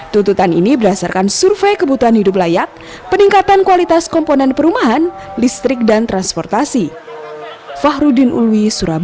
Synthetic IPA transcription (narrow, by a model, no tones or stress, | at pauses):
t̪unt̪ut̪anḭnibədasarkansurfekəbut̪uɦanhidup̬̚lajat̪̚ | pəniŋkat̪ankuwalit̪askɔmpɔnɛnpəɾumaɦan | list̪ɾɪk̚dant̪ɾanspɔrt̪asi | faɦɾudinʔṵluisuɾab